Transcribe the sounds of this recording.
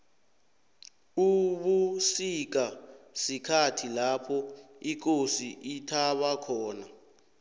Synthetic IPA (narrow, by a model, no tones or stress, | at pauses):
uɓusik̬asikʰatʰilapʰɔik̬osiʔitʰaɓakʰɔːna